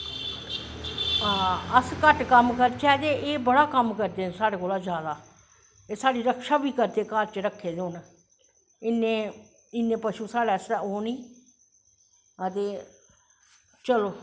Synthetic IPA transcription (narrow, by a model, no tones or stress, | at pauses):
ãːəskəʈkəmkəɾt͡ʃɛːd̪eːʔeːbəɽaːkəmkəɾd̪eːsaːɽeːkoːlaːd͡ʒjaːd̪aː | eːsaːɽiːɾəkʃaːbiːkəɾd̪eːkaːɾt͡ʃɾəkʰːeːd̪oːn | ɪnːeː | ɪnːẽːpəʃuːsaːɽɛːsɛoːniː | ət̪eː | t͡ʃəloː